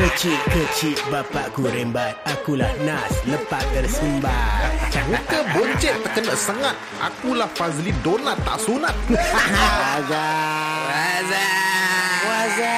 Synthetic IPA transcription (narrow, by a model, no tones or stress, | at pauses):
kət͡ʃit̪̚kət͡ʃit̪̚bapaʔɡuɾɛmbajakulahnasləpat̪ːərsumbaaɾukəbəɲt͡ʃɛt̪ːəkənəʔsəŋat̪̚ʔa̰kulahfazlidonat̪ːa̰ʔsunat̪̚ | aza | aza | waza